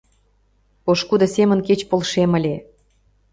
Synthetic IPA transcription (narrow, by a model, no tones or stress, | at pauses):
oʃkud̪ɤ̆semə̆nket͡ɕpolʃemə̆lʲe